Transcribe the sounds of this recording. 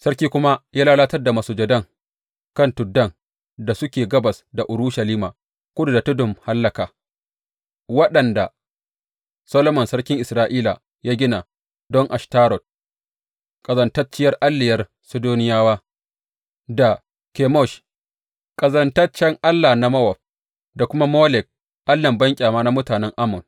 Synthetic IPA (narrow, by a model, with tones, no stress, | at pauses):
sɐ˦rkʲiː˦kʷʊ˦ma˦jaː˦laː˦laː˦tɐ˦rda˨mɐ˨suː˨d͡ʒɐ˨dɐ˦ŋ | kɐ˦˨ntʊ˨dːɐ˦˨ŋ | da˨sʊ˦kʲeː˨ɡɐ˦bɐ˨sda˨ʔʊ˨ɾʊ˦ʃɐ˨liː˦ma̰˨ | kʷʊ˦du˨da˨tʊ˦dʊ˨mha˦lːɐ˨kaː˨ | wɐ˦ɗɐ˨nda˨ | sɐ˦lo˦mɐ˨nsɐ˦ɽkʲɪ˦ŋʔɪ˨sɾaː˦ʔiː˦la̰˨ | jaː˦ɡʲɪ˦na˨ | dɔ˦ŋʔa˨ʃtaː˦ɾɔ˨t̚ | kʼɐ˨zɐ˨ntɐ˦t͡ʃɪ˦jɐ˦rʔa˦lːɪ˨jɐ˦r | sʊ˦doː˦nɪ˦jaː˦waː˦ | da˨ | kʲe˨mɔ˦˨ʃ | kʼɐ˨zɐ˦ntɐ˦t͡ʃɛ˦ŋʔa˦lːa˨na˦mɐ˦wɐ˨ɸ̚ | da˨kʷʊ˦ma˦moː˦lɛ˨k̚ | ʔa˦lːɐ˨mbɐ˦ŋkʲʼaː˨maː˦na˦mʊ˦taː˨nɛ˦ŋʔa˦mʊ˨n